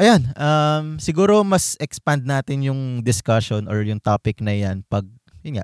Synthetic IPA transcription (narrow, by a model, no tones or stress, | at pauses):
ʔɐjonʔɐmsɪɡuːɾo̞mɐsʔɛkspand̪̚naːt̪ɪnjʊŋd̪ɪskɐʃonʔɔɹjʊŋt̪aːpɪknɐjanpɐɡ̚ | jʊnŋa̰ʔ